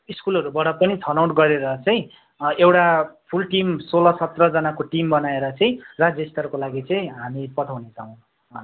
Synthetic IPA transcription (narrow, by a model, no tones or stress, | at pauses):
iskulʌɾubaʈʌpʌnit̪ʰʌnawʈɡʌɾeɾʌt͡sʌj̃ | ewʈapʰulʈimsolʌsʌt̪rʌd͡zʌnakoʈimbʌnaeɾʌt͡sʌĩrad͡zjʌst̪ʌrkolaɡit͡sʌĩɦamipʌt̪ʰawnet͡sʰʌw̃ | ʌ